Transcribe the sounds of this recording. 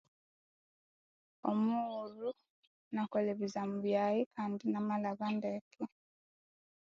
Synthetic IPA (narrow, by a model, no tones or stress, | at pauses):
o̰muɾu | nakoleβizamuβjajikʰaːndinamalaβandekʰe